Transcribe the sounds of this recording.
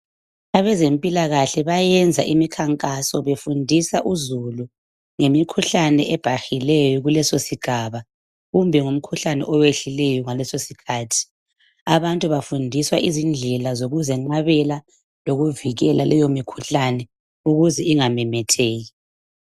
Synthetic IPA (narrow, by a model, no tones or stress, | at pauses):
aβɛzempʼilaɣaɬɛβajɛnd͡zʱaʔimikʰaŋkʼasɔβefundʱisaʔuzulu | ŋemikʰuɬanɛʔɛb̥ʱaxilɛjɔɣulɛsosiɡ̥ʱaβa | ɣumbʱɛŋum̩kʰuɬanɛ̰ʔɔweɬilɛjɔŋalɛsosikʰaːtʰi̥ | aβantʼuβafundʱiswaʔizind͡ɮʱɛlazoɣuzɛŋ͡ǃaβɛla | loɣuviɣɛlalɛjomikʰuɬanɛ | uɣuzɛiŋamɛmɛtʰeːɣi